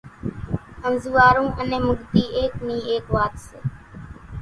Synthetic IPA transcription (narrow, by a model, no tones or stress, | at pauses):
əmzuːaːɾũːʔənẽːmʊɠd̪iːʔeːkniːeːkʋaːt̪seː